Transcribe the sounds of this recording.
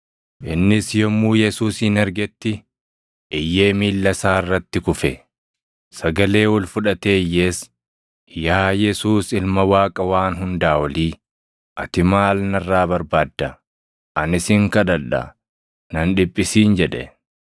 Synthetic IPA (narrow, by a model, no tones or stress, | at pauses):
ʔɪnːɪsjɔmːuːjɛsuːsɪnɛɾɡɛt̪ːɪ | ʔɪjːe̞ːmiːlːɐsaːɪrːɐt̪ːɪkʊfɛ | sɐɡɐle̞ːwɔlfʊᶑɐt̪e̞ːjːe̞ːs | jaːjɛsuːsɪlmɐwaːkʼɐwaːnɦʊnd̪aːwɐliː | ʔɐt̪ɪmaːlnɐrːaːbɐɾbaːd̪ːɐ | ʔɐnɪsɪŋkɐd̪ɐᶑɐ̰ | nɐnᶑɪpʼːɪsiːnd͡ʒɛᶑɛ̰